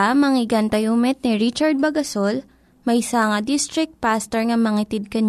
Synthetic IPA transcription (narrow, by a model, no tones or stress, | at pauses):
amɐŋɪɡɐnt̪ɐjuːmɛt̪̚nɪɹit͡ʃɐɹd̪̚bɐɡɐsol | mɐjsaːŋɐd̪ist̪ɾɪk̚t̪̚past̪ɛɹŋɐmɐŋɪt̪ɪd̪̚kɐɲ